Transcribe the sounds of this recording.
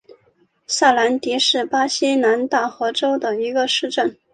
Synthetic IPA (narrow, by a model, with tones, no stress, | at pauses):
sa˥˩la˧˥nt̪i˧˥ʂɻ̩˥˩pa˥ɕi˥na˧˥nt̪a˥˩xɤ˧˥ʈ͡ʂo˥ʊd̪ə˨i˧˥ɡə˧ʂɻ̩˥˧ʈ͡ʂə˥˩n